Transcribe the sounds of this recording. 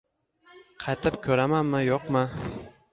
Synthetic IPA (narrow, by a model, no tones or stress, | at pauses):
qʰɑjt̪ʰɪp̚kʲʰɵɾamanmɪjoqmɪ